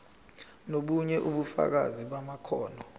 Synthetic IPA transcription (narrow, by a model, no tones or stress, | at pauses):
noɓuɲɛʔuɓufa̰k̬a̰ziɓamakʰɔːnɔ